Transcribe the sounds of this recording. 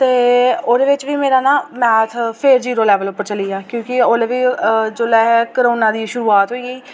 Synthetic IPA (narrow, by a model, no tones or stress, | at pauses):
t̪eːoːd̪eːʋɪt͡ʃʋiːmeːɾaːnãːmɛːt̪ʰpʰeɾd͡ʒiːɾoːlɛːʋəlʊpːəɾt͡ʃəliːaːkjõːkɪoːd̪eːʋiːd͡ʒoːlɛːɦɛːkəɾoːnãːd̪iːʃʊɾuːaːt̪ɦoiːɡiː